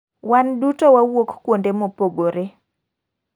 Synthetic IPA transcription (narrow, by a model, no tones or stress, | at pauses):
wandutowawokkwondemopoɡoɾe